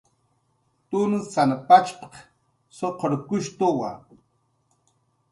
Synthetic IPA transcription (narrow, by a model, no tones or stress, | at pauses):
t̪unsanapat͡ʃpq | soqʰoɾkʊʃt̪uwa̰